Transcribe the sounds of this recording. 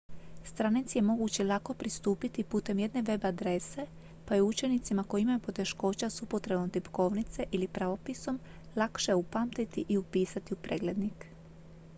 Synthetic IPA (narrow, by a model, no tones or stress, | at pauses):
st̪ɾanit̪sije̞mo̞ɡut͡ɕelˠako̞pɾist̪uːpit̪ipuːt̪e̞mje̞d̪ne̞ʋe̞bad̪ɾe̞se̞ | pajeut͡ʃe̞nit̪simako̞imajupo̞t̪e̞ʃko̞ːt͡ɕasupo̞t̪ɾe̞bomt̪ipko̞ʋnit̪se̞ʔilipɾaʋo̞piso̞m | lˠakʃeupaːmt̪it̪iʔiupiːsat̪iupɾeːɡle̞d̪nik